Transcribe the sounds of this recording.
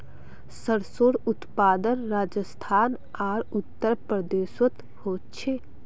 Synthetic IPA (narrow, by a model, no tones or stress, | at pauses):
səɽsoːɽʊt̪paːd̪ənɾaːd͡ʒəst̪ʰaːn | aːɾʊt̪ːəɾpɾəd̪eːʃwət̪ | hoːtt͡ʃʰeː